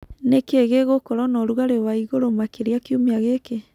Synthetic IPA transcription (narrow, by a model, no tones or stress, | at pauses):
nekeɣeɣokɔɾɔnɔɾuɣaɾewaiɣoɾomakeɾeakiumiaɣeke